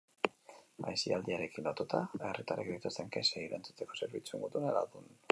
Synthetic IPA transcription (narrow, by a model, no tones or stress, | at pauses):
a̰jsiald̪iaɾe̞kinlot̪ut̪aerit̪aɾakbejt̪ust̪eŋkeseiɾa̰nt͡su̥t̪e̞ko̞se̞ɾβit͡sue̞ŋɡoðunala̰ðun